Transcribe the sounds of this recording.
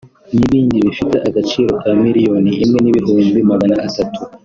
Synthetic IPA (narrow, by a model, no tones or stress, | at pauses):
niβiːnɟiβifitḛʔaɡat͡ʃiːɾo̞kʰamiɾijo̞niʔimŋe̞niβiɦuːmbimaɡanaːsatʰu